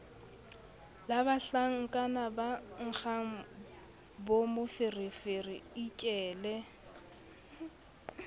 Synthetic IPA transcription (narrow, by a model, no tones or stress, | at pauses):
labaɬaŋ̩ŋ̩kʼanabaŋ̩k͡xʰaŋ̩ | bomʊfɪrɪfɪrɪikʼɛːlɛ